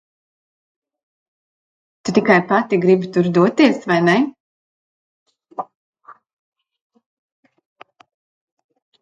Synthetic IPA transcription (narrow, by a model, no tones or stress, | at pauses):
t̪ut̪ikajpat̪iɡɾibit̪uɾd̪uɔt̪iɛsvajnɛ